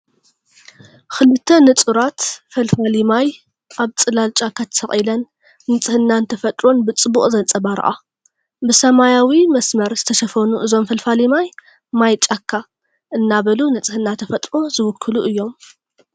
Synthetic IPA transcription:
xɨlɨt̪ʰːɐnɨt͡sʼuɾat̪fɐlfalimaj | ʔaβt͡sʼɨlalt͡ʃʼakːat̪ʰɐ̥sɐχʼilɐnː | ɨt͡sʼɨhɨnːant̪ʰɐfɐt̪ʼɾonbɨt͡sʼɨbuχʼzɐnt͡sʼɐbaɾɐ̰ʔa̰ | bɨsɐmajawimɐsmɐɾzɨt̪ʰɐʃɐfɐnuʔɨzo̞mfɐlfalimaj | majt͡ʃʼakʰːa | ʔɨnːaβɐlunɨt͡sʼɨhɨnːat̪ʰɐfɐt̪ʼɾozɨwʊkʰːɨluʔɨjːo̞m

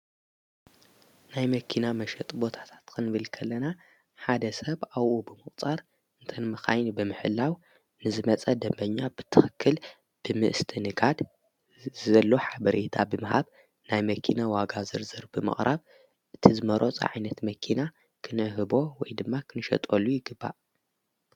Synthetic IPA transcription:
najmɐkʰinamɐʃɐt̪ʼbo̞t̪ʰḁt̪ʰḁt̪kʰɨnbɨlkʰɐlːɐna | ħad̪ɐsɐβawʔubɨmɨkχʼt͡sʼaɾ | ɨnt̪ʰɐnmɨxa̰jnbɨmɨħɨlːaw | nɨzɨmɐt͡sʼɐd̪ɐmbɐɲːabɨt̪ʰɨxɨkʰːɨl | b̥ɨmɨ̰ʔɨst̪ʰɨnɨɡad̪ | zɐlːoħabɐɾet̪ʰabɨmɨhaβ | najmɐkʰinawaɡazɨɾzɨɾbɨmɨ̰χʼɾʔaβ | ʔɨt̪ʰizɨmɐɾot͡sʼɐ̰ʕa̰jnɐt̪mɐkʰina | kʰɨnʕɨɦɨbo̞wɔjd̪ɨmːakʰɨnɨʃɐ̰t̪ʼolːujɪɡɨbːa̰ʔ

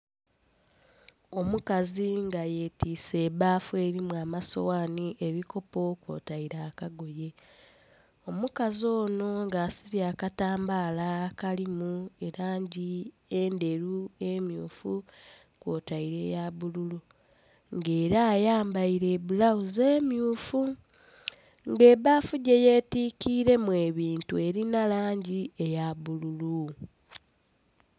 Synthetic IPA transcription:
o̞mukaziŋɡaje̞ːtiːse̞ːβaːfwe̞ːɾimuaːmaso̰waːniʔe̞βiko̞po̞kwo̰ːtaiɾaːkaɡo̞je̞ | o̞mukazo̞ːno̞ŋɡaːsiβjaːkataːmbaːlakalimue̞ɾaːɲɟi | ende̞ɾuemjuːfu | kwotaiɾe̞jaβululu | ŋɡe̞ːɾaːjaːmbaiɾeβulawuze̞ːmjuːfu | ŋɡe̞βafuɟe̞je̞ːtiːkiːɾe̞mwe̞ːβiːntue̞ɾinalaːɲɟiejaβululu

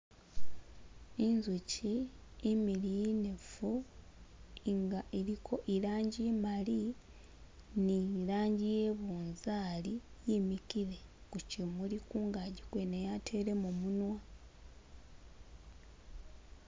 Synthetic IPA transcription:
inzuciːmilijinefu | ŋɡaʔeɾikʰo̞ʔiɾaːɲɟimali | nilaːɲɟijeβuːnzaːlijimikiɾe̞kucimulikuŋɡaɟikwenejatʰe̞ːɾe̞momunwa

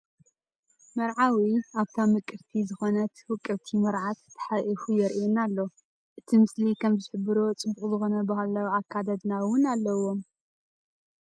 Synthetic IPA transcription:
mɐɾʕawiaβt̪ʰamɨkʼɨɾt̪ʰizɨxo̞nɐt̪wɨkʼːɨβt̪ʰimɐɾʕat̪ːʰɐ̥ħaʔifujɛɾʔjonalːo̞ | ʔɨt̪ʰimɨslikʰɐmzɨħɨbɨɾo̞t͡sʼɨbuʔʼuzɨxo̞nɐbɐhalawʕakʰːad̪ɐd̪nawʊnalːɐwom

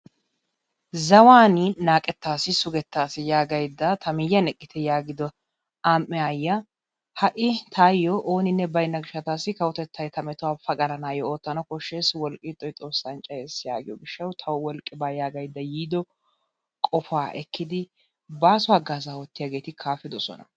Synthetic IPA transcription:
zɐwaːnɪnaːkʼɛt̪ːaːsːɪsʊɡɛt̪ːaːsɪjaːɡɐjd̪ːɐt̪ʰɐmɪjːɐnɛkʼːɪt̪ʰɛjaːɡɪd̪ɔ | aːmːɛajːɐ | hɐʔɪt̪ʰaːjːɔʔoːnɪnːɛbɐjnːɐɡɪʃːɐt̪aːsːɪkɐwʊt̪ɛt̪ːɐjt̪ɐmɛt̪ʊwaːfɐɡʼɐlɐnaːjɔoːt̪ːɐnɔkɔʃːeːswɔlkʼːɪt̪ʼːɔjt̪ʼo̞ːsːɐnt͡ʃʼɐjeːsja̰ːɡɪjɔɡɪʃːɐwt̪ʰɐwwɔlkʼːɪbaːjaːɡɐjd̪ːɐjiːd̪ɔ | kʼɔfaːʔɛkːɪd̪ɪ | baːsʊaɡaːzaːwɔt̪ːɪjaːɡe̞ːt̪ɪkʰaːfɪd̪ɔsɔ̰nɐ̰

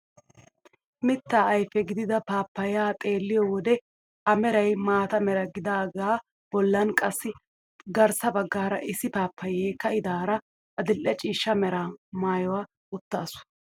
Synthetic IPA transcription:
mɪt̪ːaːɐjfɛɡɪd̪ɪd̪ɐpaːpːɐjaːt̪ʼe̞ːlːɪjɔwɔd̪ɛ | ʔɐmɛɾɐjmaːt̪ɐmɛɾɐɡɪd̪aːɡaː | b̥ɔlːɐnkʼɐsːɪ | ɡɐɾsɐbɐɡːaːɾɐʔɪsːɪpaːpːɐjeːkɐɪd̪aːɾɐ | ɐd̪ɪlʔːɛt͡ʃʼiːʃːɐmɛɾaːmaːjɔwaː | ʊt̪ːaːsʊ̥

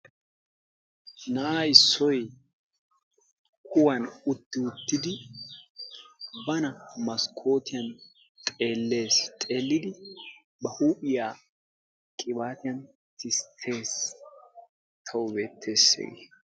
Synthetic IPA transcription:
nɐaːjɪsːɔj | hʊwɐnʊt̪ːɪʊt̪ːɪd̪ɪ | bɐnɐmɐskʰːo̞ːt̪ɪjɐn | t̪ʼe̞ːlːe̞ːst̪ʼe̞ːlːɪd̪ɪ | bɐhuːpɪjaː | kʼɪbaːt̪ɪjɐn | t̪ʰɪst̪ʰːe̞ːs | t̪ʰɐwʊbe̞ːt̪ʰːe̞ːsːḛːɡḛ

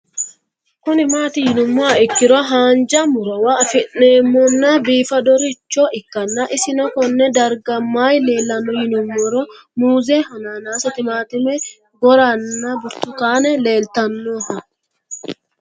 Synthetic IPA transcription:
kʊnɪmaːt̪ɪjɪnʊmːɔaɪkːɪɾɔɦaːnd͡ʒɐmʊɾɔwafɪʔːeːmːɔnːɐbiːfɐd̪ɔɾɪt͡ʃːɔʔɪkːɐnːɐʔɪsɪnɔkɔnːɛd̪ɐɾɡɐmːaːjle̞ːlːɐnːɔjɪnʊmːɔɾɔ | muːzɛhɐnaːnaːsɐt̪ɪmaːt̪ʊmɛ | ɡɔɾanːɐbʊɾt̪ʊkaːnɛle̞ːlt̪ɐnːoːhɐ

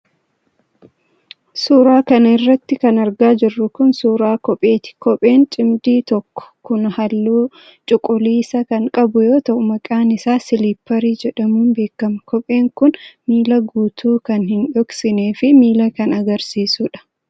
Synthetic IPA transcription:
suːɾaːkɐnɐɪrːɐt̪ːɪkɐnɐɾɡaːd͡ʒɪrːʊkʊnsuːɾaːkɔpʼːe̞ːt̪ɪ̥kɔpʼe̞ːnt͡ʃʼɪmd̪iːt̪ɔkːɔ̥kʊnhɐlːuː | t͡ʃʼʊkʼʊliːsɐkɐŋkʼɐbʊjo̞ːt̪ɐʔʊmɐkʼaːnɪsaːsɪlipːɐɾiːd͡ʒɛᶑɐmuːnbe̞ːkːɐmɐkɔpʼe̞ːŋkʊnmiːlɐɡuːt̪ʰuːkɐnhɪnᶑɔksɪneːfɪmiːlɐkɐnɐɡɐɾsiːsuᶑɐ̥

